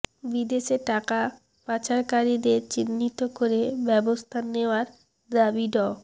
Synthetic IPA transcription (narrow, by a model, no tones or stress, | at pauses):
bid̪eʃeʈaka | pat͡ɕaɾkaɾid̪eɾt͡ɕinːit̪okoɾebɛbost̪ʰaneoaɾ | d̪abiɖɔ